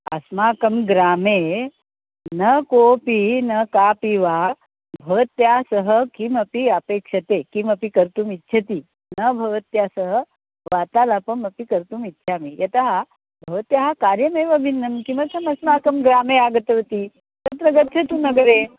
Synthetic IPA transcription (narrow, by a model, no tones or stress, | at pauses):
ɐ̰smaːkɐmɡɾaːme | nəkopinɐkapiʋa | bʱɐʋət̪jasəɦəkimɐpiəpekʂɐt̪ekimɐpikəɾt̪uːmitːɕʰɐt̪iː | nəbʱɐʋət̪jasəɦə | ʋat̪alapəɳmɐpikəɾt̪uːmitːʃʰamijɐt̪aɦa | bʱɐʋət̪jɐɦakaɾjɐmeʋɐbʱinːɐmkĩmʋat͡sɐmɐsmaːkɐmɡɾaːmeaɡət̪əʋt̪iː | tɐp̪ɾɐɡət̪ʰːjʰɐt̪uːnɐɡɾe